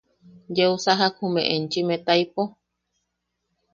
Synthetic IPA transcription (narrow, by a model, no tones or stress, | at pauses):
d͡ʒeusaɦakumḛ̃ʔent͡ʃimẽt̪aijpo